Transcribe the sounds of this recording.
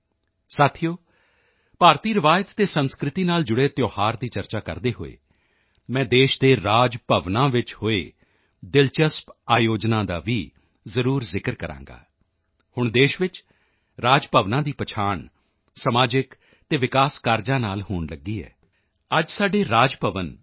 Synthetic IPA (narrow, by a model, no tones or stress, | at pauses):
saːt̪ʰijoː | paːɾt̪iːɾɪʋaːət̪ːeːsənskɾɪt̪iːnaːld͡ʒʊɽeːt̪joːhaːɾd̪iːt͡ʃəɾt͡ʃaːkə̰ɾd̪eːɦo̰ːḛː | mɛ̃ːd̪eːʃd̪eːɾaːd͡ʒpəʋnãːʋɪt͡ʃhoːḛː | d̪ɪlt͡ʃəspaːjoːd͡ʒnãːd̪a̰ːʋiː | zəɾuːɾzɪkəɾkəɾã̰ːŋɡa̰ː | hʊɳd̪eːʃʋɪt͡ʃ | ɾaːd͡ʒpəʋnãːd̪iːpət͡ʃʰaːɳ | səmaːd͡ʒɪk | t̪eːʋɪkaːskaːɾd͡ʒãːnaːlhoːɳləɡiːɛ̰ː | əd͡ʒsaːɖeːɾaːd͡ʒpəʋən